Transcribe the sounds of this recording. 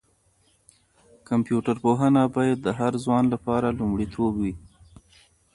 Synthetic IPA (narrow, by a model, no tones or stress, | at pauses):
kampjuʈaɾpoɦənabɑjad̪̚ːəɦaɾzwɑnlapɑɾalumɽit̪ʰobwi